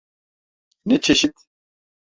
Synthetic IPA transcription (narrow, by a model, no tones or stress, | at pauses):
nɛt͡ʃʰeʃit̪